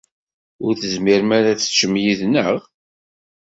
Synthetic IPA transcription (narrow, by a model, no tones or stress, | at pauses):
ʊɾθəzmiɾmæɾæt͡sːə̥t͡ʃːəmjiðnəʁ